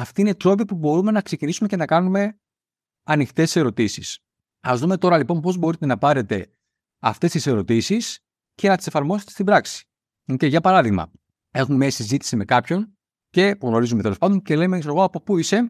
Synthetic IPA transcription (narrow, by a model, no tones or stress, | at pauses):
ɐft̪iine̞t̪ɾo̞p̬ipubo̞ɾume̞nɐkse̞cinisumece̞nɐkɐnume̞ | ɐnixt̪e̞sse̞ɾo̞t̪isis | ɐzðume̞t̪o̞ɾɐlipo̞npo̞zbo̞ɾit̪e̞nɐpɐɾe̞t̪e̞ | ɐft̪e̞st̪ise̞ɾo̞t̪isis | ce̞nɐt̪i̥se̞fɐɾmo̞set̪est̪ibɾɐksi̥ | ceʝɐpɐɾɐðiɣmɐ̰ | e̞xumemiɐsizit̪i̥sime̞kɐpço̞n | ce̞puɣno̞ɾizumee̞lo̞spɐnd̪o̞nce̞le̞mesoɣoɐpo̞puise̞